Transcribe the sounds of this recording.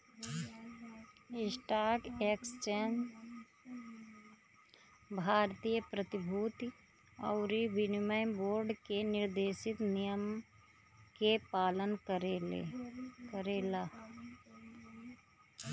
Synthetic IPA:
ɪsʈaːkeːkst͡ʃeːn | bʱaːɾt̪iːjəpɾət̪ɪbʱuːt̪i | ɐ̰ʊɾiʋɪnɪmaɪnboːɾɖkenɪɾd̪eːʃɪt̪nijəm | kepaːlən | kəɾeːlaː

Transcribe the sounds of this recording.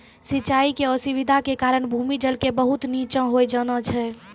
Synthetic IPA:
sitːt͡ʃaikeəsiʋid̪ʱakekaɾəɽbʱumid͡ʒəlkebəɦut̪nit͡ʃə̃ɦojd͡ʒənət͡ʃʰɛ

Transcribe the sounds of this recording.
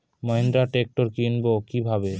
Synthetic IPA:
mɔɦend̪ɾaʈek̚ʈoɾkinbokibʱabe

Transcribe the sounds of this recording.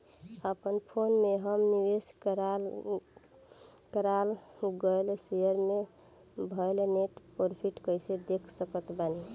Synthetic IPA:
əpənpʰonmeɦəmniʋeskɾal | kəɾalɡəjlsejəɾme | bʱəjlneʈpoɾpʰiʈkəjsed̪ekʰsəkət̪bani

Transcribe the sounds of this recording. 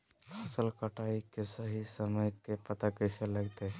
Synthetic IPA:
əsəlkəʈaikesəɦisəməjkepət̪akəjseləɡt̪e

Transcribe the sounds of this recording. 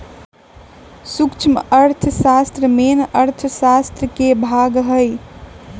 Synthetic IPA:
sukt͡ʃʰməəɾt̪ʰəsast̪ɾəmenəɾt̪ʰəsast̪ɾəkebʱaɡɦəj

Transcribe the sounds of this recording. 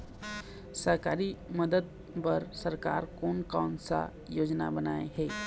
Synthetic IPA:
səɦkaːɾiməd̪əd̪̚ | pəɾsəɾka̰ːɾkoːnkaːnsa̰ | joːd͡ʒna̰bənaːḛɦɛː

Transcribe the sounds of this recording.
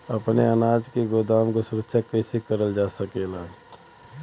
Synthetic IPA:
əpneənaːd͡ʒkeɡod̪aːmkosʊɾəkʃʰakɛsekəɾəld͡ʒaːsəkelaː

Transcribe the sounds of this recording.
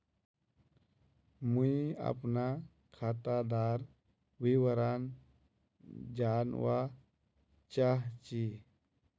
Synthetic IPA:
muia̰pna | kʰat̪ad̪aɾ | ʋiwəɾan | d͡ʑanʋa | t͡ʃaɦt͡ɕi

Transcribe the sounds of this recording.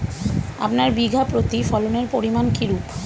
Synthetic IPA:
a̰pnaɾbiɡʱapɾot̪ifɔloneɾpoɾimankʰiɾup

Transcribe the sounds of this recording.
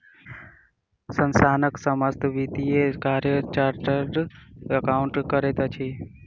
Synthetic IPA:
sənsaːnəksəməst̪ʰʋit̪iekaːɾjət͡ʃaːɾʈəɾɖəkaʊɳʈkəɾet̪at͡ʃʰi

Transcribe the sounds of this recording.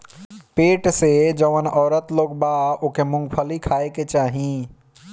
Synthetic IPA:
peːʈsed͡ʒəʋənɔːɾət̪loːɡbaokemʊ̃ŋɡpʰəlikʰaeket͡ʃaːɦĩ

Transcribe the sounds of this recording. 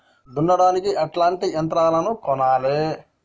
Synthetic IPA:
d̪unːɐɽaːnikiʔɐʈlaːɳʈijɐnt̪ɾaːlɐnukɔnaːleː

